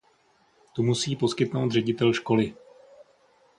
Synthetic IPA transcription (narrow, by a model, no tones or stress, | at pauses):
t̪umusiːpo̞skɪt̪nowd̪r̝ɛɟɪt̪ɛlʃko̞lɪ